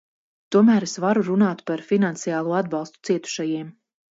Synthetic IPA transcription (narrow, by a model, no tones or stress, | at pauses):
t̪uɔmæːɾesvaɾuɾunaːt̪paɾfinant̪sijaːlˠuːad̪bɑlˠst̪u̥t̪siɛt̪u̥ʃajiɛm